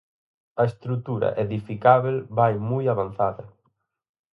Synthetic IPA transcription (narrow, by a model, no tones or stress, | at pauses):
ɐest̪ɾut̪uɾɐ̰ʔeðifikaβelbajmujaβanθaðɐ